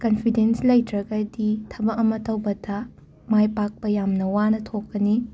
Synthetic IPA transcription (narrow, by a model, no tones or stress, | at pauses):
kɐnpʰidenslɐjtɾɐɡɐditʰɐbɐkɐmɐtɐwbɐdʰa | majpak̚pɐjamnɐwanɐtʰokːɐni